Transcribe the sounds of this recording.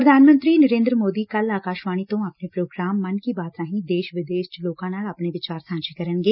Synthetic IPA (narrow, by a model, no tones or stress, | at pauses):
pɾəd̪ʱaːnmə̃nt̪ɾiːnəɾẽːnd̪ɾəmoːd̪iːkəlaːkaːʃʋaːɽ̃iːt̪õːaːpneːpɾoːɡɾaːmːənkibaːt̪ɾãːɦĩːd̪eːʃʋɪd̪eːʃt͡ʃloːkãːnaːlaːpneːʋɪt͡ʃaːɾsãːt͡ʃekəɾənɡeː